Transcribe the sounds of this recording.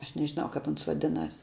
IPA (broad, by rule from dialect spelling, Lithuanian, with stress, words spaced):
ˈɐʃ nʲɛʒʲɪˈnɐʊ kɐp ˈʊns ʋɐˈdʲɪnɐs